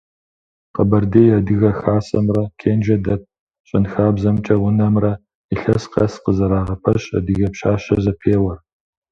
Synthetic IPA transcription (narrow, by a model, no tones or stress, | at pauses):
qəbɐrdeːjadɨɣɐxaːsɐmrɐkʰeːnd͡ʒɐdɐp̚ | ɕʼɪnxaːbzɐmt͡ʃʼɐwʊnɐmrɐ | iɬɐsqɐ̰sqəzɐɾaːʁɐpʰɐɕɐ̰dɨɣɐpɕaːɕɐzɐpʰeːwɐr